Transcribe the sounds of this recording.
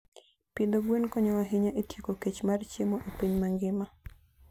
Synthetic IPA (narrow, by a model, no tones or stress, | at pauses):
pind̪oɡwenkɔɲɔwaɦiɲaʔetjekoket͡ʃmart͡ʃemoʔepiɲmaŋɡɪma